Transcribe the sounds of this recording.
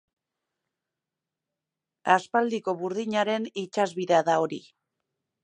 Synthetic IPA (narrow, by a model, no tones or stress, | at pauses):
aspald̪iko̞βuɾðiɲaɾe̞nit͡ʃazβiðeaðao̞ɾḭ